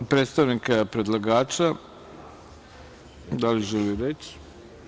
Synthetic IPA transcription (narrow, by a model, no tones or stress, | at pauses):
pɾet̪st̪aʋnikapɾed̪lˠaɡaːt͡ʃa | d̪aliʒeliɾet͡ɕ